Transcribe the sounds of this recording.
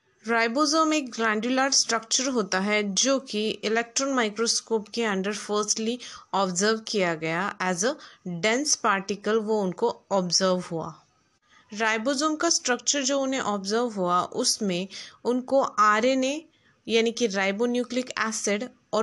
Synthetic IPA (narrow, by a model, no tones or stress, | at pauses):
ɾaːɪbozoːmeːk̚ɡɾɛ̃ːɳɖjulaːɾɖsʈɾɐk̚t͡ʃəɾɦoːt̪aɦɛd͡ʒoːkiɪlɛk̚ʈɾɔ̃ːnmaːɪkɾoskoːpkeɐ̃ɳɖəɾfəːɾsʈliɔːbzəɾʋkijaɡɐjaʔɛːzəɖɛ̃ːnspaːɾʈɪkəlʋoʊnkoɔːbzəɾʋɦua̰ː | ɾaːɪbozoːmkasʈɾək̚t͡ʃəɾd͡ʒoːʊnɦẽʔɔːbzəɾʋɦuaʔʊsmẽʊnkoʔaːɾene | jaːnikiɾaːɪbonjuːklɪkɛːsɪɖ | ɔː